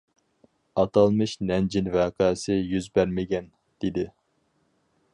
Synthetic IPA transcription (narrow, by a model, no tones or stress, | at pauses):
ɑt̪ʰɑlˠmɨʃnɛnd͡ʒinvæːqʰɑːsɪjyzbæɾmɪɡʲɛn | d̪̥ɪd̪ɪ